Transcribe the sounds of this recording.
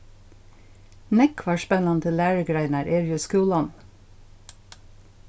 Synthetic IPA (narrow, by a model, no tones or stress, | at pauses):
nɛkʰʋɑːʃpɛnɑnt̪ʰɪlæːɹəɡɾæɪnəɾʔeːɹjʉskʉːlɑn